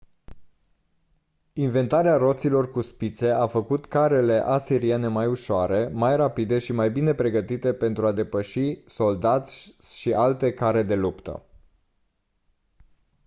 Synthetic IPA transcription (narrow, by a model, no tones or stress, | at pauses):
inve̞nt̪aɾearo̞t̪silo̞rkuspit̪se̞afəkut̪kaɾe̞le̞ʔasiɾiene̞majuʃoaɾe̞majrapid̪e̞ʃimajbine̞pɾe̞ɡət̪it̪e̞pe̞nt̪ɾuad̪e̞pəʃiso̞ld̪at̪sʲʃiʔalt̪e̞kaɾe̞d̪e̞lupt̪ə̰